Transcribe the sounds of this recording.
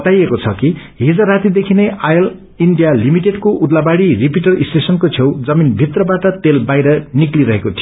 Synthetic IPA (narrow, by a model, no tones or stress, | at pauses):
ʌt̪ajekot͡sʰʌkiɦid͡zaɾat̪id̪ekʰineʔajʌl | iɳɖijalimiʈeɖkoʔud̪labaɽiripiʈʌrisʈesʌnkot͡sʰewd͡zʌminbʱit̪rʌbaʈʌt̪elbajɾʌnikliɾʌɦekot̪ʰijo